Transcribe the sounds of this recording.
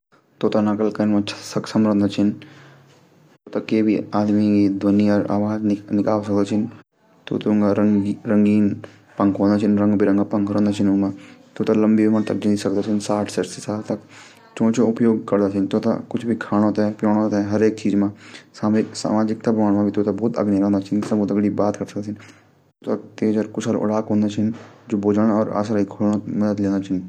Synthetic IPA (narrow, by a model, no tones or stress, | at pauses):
t̪ot̪anɐkəlkɐnmãt͡ʃʰsɐksɐmɾə̃nd̪at͡ʃʰin | t̪ot̪akeːbʱiaːd̪mikid̪ʋɐniəɾa̰ːʋaːd͡ʒnnikaːʋsɐk̚d̪at͡ʃʰin | t̪o̰t̪uŋɡaɾiɾəŋɡiːn | pɐ̃ŋkɦõːnd̪at͡ʃʰinɾɐ̃ŋɡbʱiɾɐŋɡapɐŋkɾɐ̃nd̪at͡ʃʰinũmãt̪oːt̪alɐmbibimɐt̪ɐk̚d͡ʒind̪isɐk̚d̪at͡ʃʰinsaːʈʰsɐʈʰsesaːt̪ɐk | t͡ʃõːt͡ʃoʊpjoːɡkɐɾd̪aːt͡ʃʰint̪oːt̪a̰kʊt͡ʃʰbʱikʰaːɽ̃õt̪ɦɛ̃pjõːɽ̃õt̪ɦɛ̃ɦɐɾeːkt͡ʃiːzmãːsaːmɪksa̰ːmaːd͡ʒɪk̚t̪abaːɽmãbʱit̪oːt̪abɔːt̪ɐ̰ɡnilãnd̪at͡ʃʰinsaboːt̪əɡɽibaːt̪kɐɾsəkd̪asʰin | t̪oːt̪at̪eːd͡ʒaɾkʊt͡ʃʰəlʊ̰ɽaːkɦõːnd̪at͡ʃʰɪnd͡ʒoːboːd͡ʒəɽ̃ɔːɾa̰ːsɾikʰoɽõmɐd̪əd̪lẽːnd̪at͡ʃʰɪn